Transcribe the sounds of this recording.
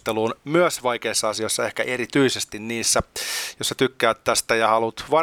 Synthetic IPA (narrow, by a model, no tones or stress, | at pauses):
t̪eluːnmyøsʋɑikeisːɑɑsioisːɑehkæʔeɾit̪yisest̪inniːsːæjosːɑt̪ykːæːt̪t̪æst̪æjɑhɑlut̪ʋɑ